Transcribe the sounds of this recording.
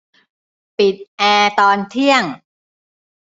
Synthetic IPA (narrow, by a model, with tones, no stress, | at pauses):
pi˨˩t̪̚ʔɛː˧t̪ɔː˧nt̪ʰi˥˩əŋ